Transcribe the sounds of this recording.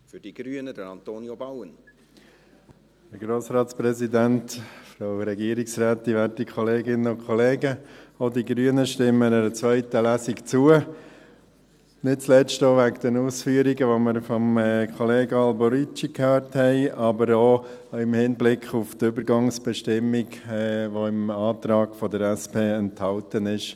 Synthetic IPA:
fʏd̥iɡ̥ɾyənəd̥əɾɑnt̪oːnjobɑwən | həɾɡɾoːsɾɑːtspɾɛzidæntfɾaʊɾɛɡiəɾɪksɾæːtːiʋæɾtikʰχɔleːɡɪnənʊnkʰχɔleːɡəodiɡɾyənəʃtɪmːənɛɾət͡sʋœʏtəlæsikt͡suə | nɪt̚t͡slɛstoʋækd̥ənuːsfyəɾiɡəʋoməɾfɔmkʰχɔleːɡəɑlbɔɾit͡ʃikʰhøːɾthɛɪɑbəɾo | ɪmhɪnblɪkʰχuftʏbəɾɡɑŋsb̥ɛʃtɪmːiɡʋoɪmɑːt̪ɾɑːɡ̥fɔdəɾɛspeːɛnthɑltənɪʃ

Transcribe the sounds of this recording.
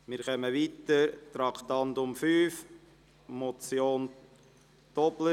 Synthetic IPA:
mɪːɾχœməʋiːtəɾt̪ɾɑkʰtɑntʊmfyːf | mɔt͡sjoːn | tɔblə

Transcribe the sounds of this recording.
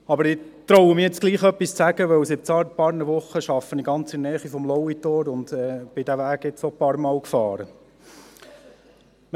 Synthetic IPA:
ɑbəɾɪ | t̪ɾɔwəmɪjɛt͡sɡ̥liːχœpːist͡sæɡəʋœwsɪt͡sɑɾpɑːɾnəʋʊχəʃɑfːəniɡɑnt͡sɪnɛːχifɔmlɔwit̪oːɾʊnd̪ɛːb̥ɪd̥̪æʋæːɡ̥ɪt͡sɔpɑːɾmɑːwkfɑːɾə

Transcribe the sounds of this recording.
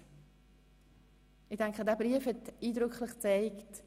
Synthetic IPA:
ɪd̥ɛŋkχədɛːbʁiəfhɛtiːdʁʏkʰlɪχt͡saɪkt

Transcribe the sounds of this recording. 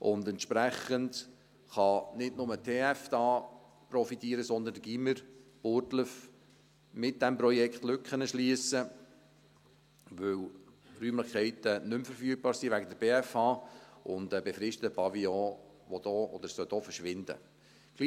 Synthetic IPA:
ʔʊndɛntʃpɾæχənd | χɑnɪdnʊmətʰeːæfd̥ɑː | prɔfitiːəɾəsɔnd̪əndəɡ̥iməɾb̥ʊɾtləf | mɪt̚d̥ɛmprɔjɛkχtlʏkχənəʃliəsə | ʋɵw | ryːmləχkɛɪtənʏmfəɾfyːk̚b̥ɑːɾsiʋæɡədəɾb̥eːæfɑːʔʊndəbefɾɪʃtətəpɑviɔ̃ː | ʋɔdɔːɔ̰d̥̪əɾsœtɔfəʃʋɪnd̥ə̰ | ɡ̥li

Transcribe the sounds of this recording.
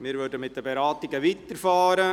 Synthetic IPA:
mɪɾvʉɾdəmɪt̚d̥əbɛɾaːtɪɡəʋit̪əɾfaːɾə

